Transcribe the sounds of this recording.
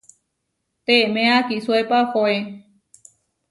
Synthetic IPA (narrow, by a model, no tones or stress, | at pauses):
t̪emẽakisuepaxoe